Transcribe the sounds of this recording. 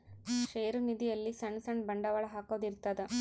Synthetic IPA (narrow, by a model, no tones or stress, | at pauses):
ʂeːɾunid̪ijɐlːisɐɳsɐɳɖbɐɳɖɐʋɐɭɐɦaːkoːd̪iɾt̪ːɐd̪e